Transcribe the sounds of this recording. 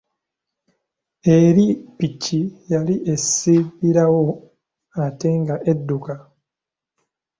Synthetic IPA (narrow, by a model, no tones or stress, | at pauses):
e̞ɾipicijaliʔe̞siβiɾawo̞ | ate̞ŋɡaʔedːuka